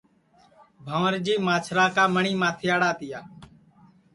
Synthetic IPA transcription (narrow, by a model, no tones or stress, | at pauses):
bʱəʋəɾd͡ʒiːmaːt͡ʃʰɾaːkaːməɳiːmãːt̪ʰɪjaːɽaːt̪ɪjaː